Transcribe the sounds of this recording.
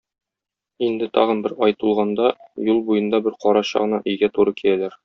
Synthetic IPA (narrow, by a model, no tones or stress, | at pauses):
ind̪ɘt̪ʰɒʁɤnbɘɾɒjt̪ulˠʁɑnd̪ɑjulˠbujɤ̆nd̪ɑbɘɾqɒɾɑɕɑ̰ʁɤ̆nɑ̰ʔɵ̆jɡæt̪uɾɤkij̪ælæɾ